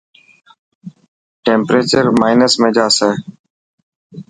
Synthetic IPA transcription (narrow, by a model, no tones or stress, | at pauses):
ʈeːmpɾeːt͡ʃəɾmaːɪnəsmẽːd͡ʒaːseː